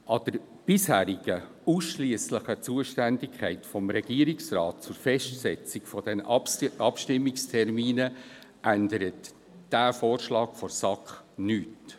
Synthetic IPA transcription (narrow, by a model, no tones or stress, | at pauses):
ʔɑd̥əɾ | b̥ɪshæːɾɪɡ̥ə | uːsʃliəsləχət͡suəʃtændɪkʰχɛɪtfɔmɾɛɡ̥iəɾɪksrɑːt̚t͡sʊrfɛʃtsɛt͡sɪkfɔd̥ɛnɑpʃtɪmːɪkstʰɛrmiːnəʔændəɾət | d̥æːfoːrʃlɑːkfɔrsɑkχnyːt